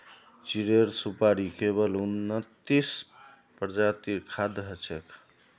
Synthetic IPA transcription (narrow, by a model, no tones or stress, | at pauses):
t͡ʃiɾeɾsupaɾikeβəlunːət̪ːis | pəɾd͡ʒat̪iɾkʰad̪ɦət͡ʃʰek